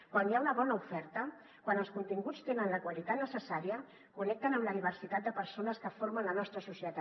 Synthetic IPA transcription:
kwanjaunəβ̞ɔnəufɛɾt̪ə | kwanəlˠskunt̪iŋɡut͡st̪enənləkwəlit̪at̪nəsəsaɾiə | kunɛk̚t̪ənəmləðiβ̞əɾsit̪at̪̚d̪əpəɾsonəskəfoɾmənlənɔst̪ɾəsusjət̪a

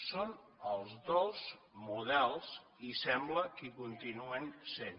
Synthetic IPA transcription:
son | əlˠzðoz | muð̞ɛlˠz | isɛmbləkikunt̪inuənsen

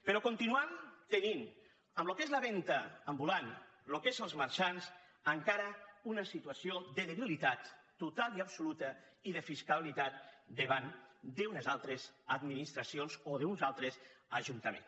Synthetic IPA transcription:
peɾɔkunt̪inuant̪enin | əmlokezləβɛnt̪əːmbulanlokezəlˠzməɾʃanz | əŋkaɾəunəsit̪uasioðəðeβilit̪at̪ː | ut̪alˠiapsulut̪əiðəfiskaβlit̪at̪̚d̪eβand̪eunəzalˠt̪ɾezəd̪minist̪ɾasionzoðeunzalˠt̪ɾesəʒunt̪əmḛ̃n

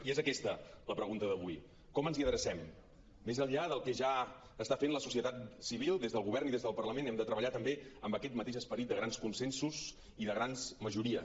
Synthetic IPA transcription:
iezəkɛst̪ələpɾəɣunt̪əðəβuj | kɔmənziəðɾəsɛmː | ezəʎːaðəlˠkɛʒa | əst̪afenləsusiət̪at̪siβ̞ilˠd̪ezðəlˠɣuβɛrniðezðəlˠpərləmenɛmd̪ət̪ɾəβəʎat̪əmbeəmbəkɛt̪̚mət̪eʃəspəɾit̪d̪əɣɾanskunsɛnsuz | iðəɣɾanzməʒuɾiə

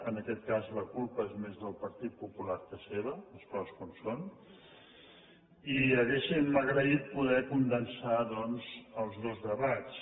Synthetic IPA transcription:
ənəkɛt̪kazləkulˠpəezmezðəlˠpəɾt̪it̪̚pupulaɾkəseβəəskɔskonson | iəɣesiməɣɾəit̪̚puðɛkund̪ənsaðɔnzəlˠzðozðəβat͡s

